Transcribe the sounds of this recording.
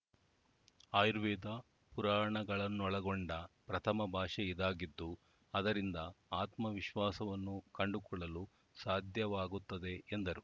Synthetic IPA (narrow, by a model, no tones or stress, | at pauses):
aːjɾʋɛːd̪ɐ | puɾaːɾɐɳɐɡɐɭɐnːuɔɭɐɡoɳɖɐpɾɐt̪ʰɐmɐbʱaːʂɛid̪aːɡid̪ːu | ɐd̪ɐɾind̪ɐaːt̪mɐʋiʃʋaːsɐʋɐnːukɐɳɖukɔɭːɐlu | saːd̪ʱjɐʋaːɡut̪ːɐd̪e̞ːnd̪ɐɾu